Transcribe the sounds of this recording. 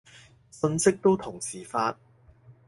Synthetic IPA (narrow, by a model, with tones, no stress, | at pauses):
sɵ˧nsɪ˥k̚t̪o˥wt̪ʰʊ˨˩ŋsiː˨˩faː˧t̚